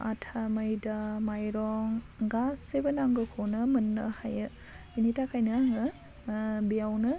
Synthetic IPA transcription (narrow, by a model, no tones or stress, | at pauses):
ʔa̰tʰaməjdamajɾɔŋ | ɡasebənaŋɡɯkʰonɯmənːɐhajɯ | initakʰajnɯaŋɯ | biawnɯ